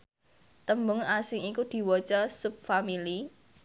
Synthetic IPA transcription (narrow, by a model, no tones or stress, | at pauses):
t̪əmbʊŋasɪŋikud̪̥i̤wot͡ʃɔsʊp̚famili